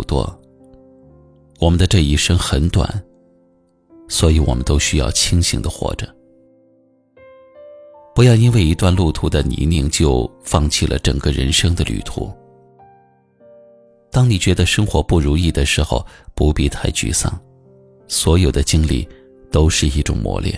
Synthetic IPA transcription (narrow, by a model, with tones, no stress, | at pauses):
t̪wɔ̰˥˩ | wɔ˨˩mə˦nd̪ə˧ʈ͡ʂɤ˥˧i˥˩ʂɤ˥ŋxə˧˥nt̪wa̰˨˩˦n | swɔ˧˥i˧˥wɔ̰˨˩mə̰˦nt̪o˥ʊɕy˥jɑ̰˥˩ʊt͡ɕʰi˥ŋɕḭ˧˥ŋd̪ə˧xwɔ̰˥˩ʈ͡ʂə˩˦ | pu˧˥jɑ˥˩ʊi˥nwe˥˩ɪi˧˥t̪wa˥˧nlu˥˩t̪ʰu˧˥d̪ə˧nḭ˧˥ni˥˧˩ŋt͡ɕjo˥˧ʊfɑ˥˧ŋt͡ɕʰi˥˩lʔə̰˩ʈ͡ʂə̰˨˩ŋɡə˦ɻə̰˧˥nʂɤ˥ŋd̪ə˧˨ly̰˨˩t̪ʰṵ˧˥ | t̪ɑ˥ŋni˨˩t͡ɕɥɛ˧˥d̪ə˧ʂɤ˥ŋxwɔ˧˥pu˥˩ɻu˧˥ŋi˥˩d̪ə˩ʂɻ̩˧˥xo̰˥˧ʊpu˧˥pi˥˧t̪ʰa˥˩ɪt͡ɕy̰˥˧˩sɑ̰˥˩ŋ | swɔ˧˥jo˨˩ʊd̪ə˦t͡ɕi˥ŋlḭ˥˩ | t̪o˥ʊʂɻ̩˥˩i˥˩ʈ͡ʂʊ̰˨˩ŋmwɔ̰˧˥ljɛ̰˥˩